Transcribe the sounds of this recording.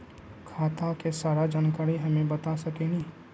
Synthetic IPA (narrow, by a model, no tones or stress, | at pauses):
kʰaːt̪akesaːɾad͡ʒaːnkaːɾiɦɐmẽbɐt̪asɐkenĩː